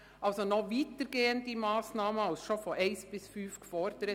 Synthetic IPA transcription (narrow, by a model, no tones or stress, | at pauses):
ʔɑlsɔnɔʋiːt̪əɾɡeːənd̚diːmɑːsnɑːməɑlsʃofɔʔɛɪsb̥ɪsfyːfkʰʋɔːɾt̪ɾɛ